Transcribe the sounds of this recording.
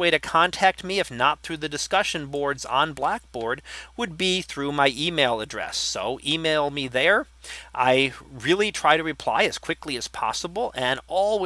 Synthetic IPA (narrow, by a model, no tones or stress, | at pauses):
weɪɾɨkʰɑ̃ntʰæk̚t̚miɨfnət̪̚θɹʉðɨdɨskʌʃɨ̃nbɔɹdz̃n̩blæk̚b̥ɔɹd̚wəd̚biθɹʉmaɪʔimeɪlˠədɹɛ̰sːoʊʔimeɪlˠmiðə˞ | ʔaɪɹɪlˠitʰɹ̥aɪɾɨɹɨpʰl̥a̰ɪɨz̥kʰw̥ɪkliɨz̥pʰɑ̰səbl̩ˠɨ̃nɔlˠw